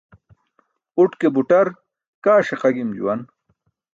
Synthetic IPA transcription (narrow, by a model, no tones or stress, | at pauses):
uʈkebuʈɐɾ | kaːɕeqɐɡimd͡ʑṵwɐn